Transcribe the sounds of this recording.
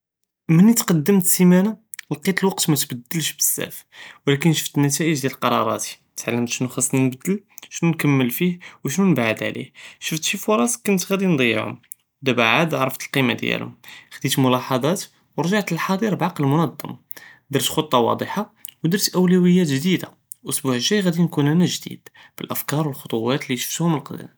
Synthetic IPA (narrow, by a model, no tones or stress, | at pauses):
mənit̪qɑd̪ːəmt̪simænalqit̪ˤlwɑq̚t̪mæt̪bæd̪ːəlʃbəsːæ̰f | wlækənʃə̥ft̪ənːæt̪̬æʔəʒd̪jælqɑɾˤɑ̰ɾˤɑ̰t̪i̥ | t̪ʕalːənt̪ʃnuxəsˤːnəbd̪əlʃnunkəmːəlfihwəʃnunbaʕəd̪ʕlḭhʃəft̪ʃifʊɾˤɑsˤkʊnət̪ɣæd̪ind̪ˤəj̰ːʕhʊ̰m | d̪æbaʕad̪ʕɾˤəft̪əlqimad̪jæ̰lhʊ̰mxd̪it̪mʊlɑħɑd̪ˤɑt̪ | wɾʒɑʕt̪əlħɑd̪ˤiɾbʕɑqləlmʊnɑd̪ˤːɑ̰m | d̪əɾt̪xot̪ˤːɑwɑ̰d̪ˤəħɑwd̪əɾt̪ʔəwlæwəjːæt̪ʒd̪id̪a | ʔʊsbuʕəʒːæjɣæd̪inkunænæʒd̪ḭd̪ | b̥əlʔəfkɑɾˤwəlxot̪ˤuwæt̪liʃə̥ft̪hʊməlqd̪ə̰n